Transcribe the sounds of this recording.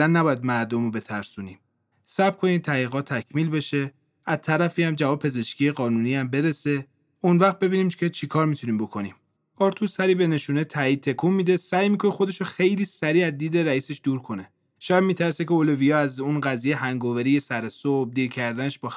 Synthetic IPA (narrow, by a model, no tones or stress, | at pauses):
lænːæbɒːjæd̪mæɾd̪omobe̞t̪ʰæɾsunim | sæbkʰo̞niːd̪̚tʰæiːɣɒːt̪ʰːæcʰmiːlbe̞ʃe̞ | æzt̪ʰæɾæfiːhæmd͡ʒævɒːbepʰe̞ze̞ʃkʰiːjeɣɒːnuniːæmbe̞ɾe̞se̞ | unvæxt̪̚be̞biniːmkʰet͡ʃʰikʰɒːɾmit̪ʰuniːmbo̞kʰo̞nim | ɒɾt̪ʰusæɾiːbe̞ne̞ʃuːnet̪ʰæiːd̪̚t̪ʰːe̞kʰumːiːd̪e̞sæjmiːkʰo̞nexo̞d̪e̞ʃoxe̞jliːsæɾiːæzd̪iːd̪e̞ɾæiːseʃd̪uːɾkʰo̞ne | ʃɒjæd̪̚miːt̪ʰæɾsecʰeolovijɒːæzunɡæzijeɦæŋɡovæɾije̞sæɾesob̚d̪iːɾcʰæɾd̪æne̞ʃbɒː